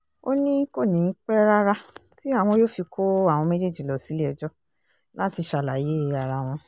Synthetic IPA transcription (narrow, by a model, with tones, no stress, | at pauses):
o̰˦nĩ˦ko˦˨nĩ˨˦k͡pɛ˦ɾa˦ɾa˦ti˦a˦˨w̃ɔ̃˧jo˦fi˧kʰo˦a˦˨w̃ɔ̃˧mɛ˦d͡ʒe˦˨d͡ʒi˨lɔ˨si˨˦le˦ɛ˧d͡ʒɔ˦ | la˦ti˧ʃa˧˨la˨je˨˦˧a˨ɾa˧w̃ɔ̃˧